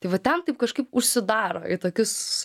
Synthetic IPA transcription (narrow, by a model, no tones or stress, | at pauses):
t̪ɐɪʋɐt̪ʲɛnt̪ɐɪp̚kɐʃkɐɪpʊʃʲsʲɪd̪ɑːɾo̰ːɪt̪oːkʲɪs